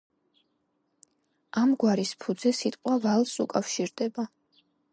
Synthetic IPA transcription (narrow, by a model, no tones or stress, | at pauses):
amɡwaɾispʰud̪zɛsit̪ʼqʼwavalˠsukʼafʃiɾd̪ɛba